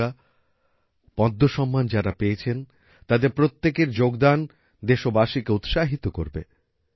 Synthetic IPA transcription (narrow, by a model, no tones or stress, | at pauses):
a | pɔd̪ʱːoʃɔmːand͡ʑaɾapeet͡ɕʰen | t̪ad̪eɾpɾot̪ːekeɾd͡ʑoɡd̪an | d̪eʃobaʃikeut̪ʃaɦit̪okoɾbḛ